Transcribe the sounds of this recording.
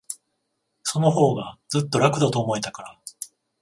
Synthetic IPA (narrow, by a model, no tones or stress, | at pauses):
so̞no̞ɦo̞ːɡad͡zɨt̪ːo̞ɾakɯ̟d̪at̪o̞ːmo̞et̪akaɾa